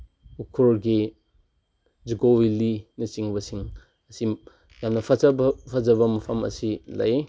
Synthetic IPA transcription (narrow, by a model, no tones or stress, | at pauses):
ukʰuɾɡi | d͡ʒiɡowilinɐt͡ʃiŋbɐsiŋ | ɐsi | jamnɐpʰɐzɐbpʰɐzɐβɐmɐpʰɐmɐ̰silɐ̰je